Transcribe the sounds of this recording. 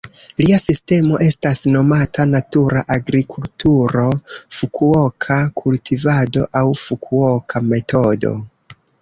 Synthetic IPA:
liasiste̞mo̞ʔe̞stasno̞matʰanatuɾaʔaɡɾikʰultuɾo̞fukʰuokʰakʰultivado̞̰ʔawfukʰuo̞kʰame̞to̞do̞̰

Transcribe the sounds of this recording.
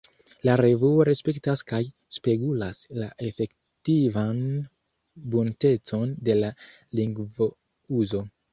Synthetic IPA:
laɾe̞vuoɾe̞spe̞ktaskaj | spe̞ɡulaslaʔe̞fe̞k | tivan | bunte̞t͡so̞nde̞la | liŋɡvo̞ | uzo̞

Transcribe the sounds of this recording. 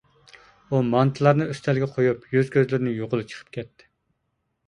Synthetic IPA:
umɑnt̪ʰɨlˠɑɾnɨøst̪ʰɛlɡʲɛqʰojupjøzkʲøzlɪɾɪnɪjoʁʊlˠɨt͡ʃʰə̥qʰə̥p̚kʲʰɛt̪ʰːɪ̥

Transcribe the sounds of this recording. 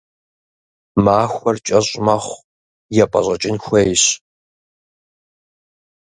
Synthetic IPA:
maːxʷɐrt͡ʃʼɐɕʼmɐχʷ | jɛpʼɐ̰ɕʷʼɐt͡ʃʼɪnxʷejɕ

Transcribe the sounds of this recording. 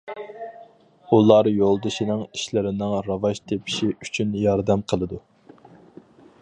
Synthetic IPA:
ulˠɑɾjolˠd̪ɨʃinɪŋi̥ʃlɪɾɪnɪŋɾɑvɑʃt̪ʰepʰi̥ʃiyt͡ʃʰynjɑɾd̪ɛmqʰəlˠɨd̪u

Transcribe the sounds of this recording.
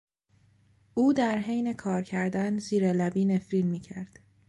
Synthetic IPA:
uːd̪æɾɦe̞jne̞kʰɒːɾcʰæɾd̪ænziːɾelæbiːne̞filmiːcʰæɾd̪̥

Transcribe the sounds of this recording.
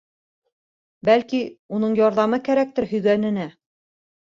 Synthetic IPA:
bælkiunɤɴjɒɾðɑmɤkæɾæk̚t̪ɘɾhɵ̆jɡænɘ̆næ

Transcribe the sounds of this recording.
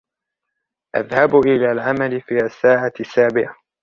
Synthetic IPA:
ʔa̰ðhabʔɪlaːlʕamalɪfiːʔasːaːʕasːaːbɪʕa

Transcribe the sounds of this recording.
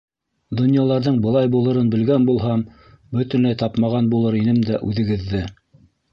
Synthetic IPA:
d̪ŏnjɑlˠɑɾðɤɴbɤ̆lˠɑjbulˠɤ̆ɾɤnbɘ̆lɡænbulˠɦɑm | bɵt̪ɵ̆nlæjt̪ɑpmɑʁɑnbulˠɤɾinɘmd̪æʔʉðɘ̆ɡɘ̆ðːɘ

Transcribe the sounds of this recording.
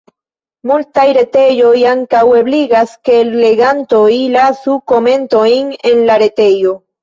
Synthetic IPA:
mult̪ajɾet̪ejojaŋkaweβliɣaskeːlːeɣant̪oilasukomẽnt̪oiŋenlaɾet̪ejo

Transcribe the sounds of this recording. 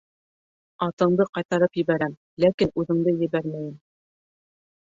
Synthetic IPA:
ɑt̪ɤ̆ɴd̪ɤqɑjt̪ɑɾɤpjɘ̆βæɾæm | lækinʉðɘ̆ŋd̪ɤjɘ̆βæɾmæjɘm

